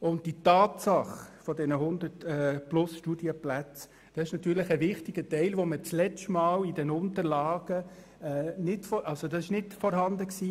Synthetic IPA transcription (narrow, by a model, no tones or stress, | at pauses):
ʊnt̚d̥itɑːtsɑχfɔdɛnəhʊnd̪əɾtɛplʊsʃtuːdiəplæt͡s | d̥ɑsɪʃnɑt̪yːɾləχəʋɪχtɪɡətɛɪlʋomət͡slɛt͡ʃtmɑːlidɛnʊntəɾlɑːɡ̥ə | ɛːnɪtfɔʔɑlsodɑsɪʃnɪtfɔɾɦɑndəksiː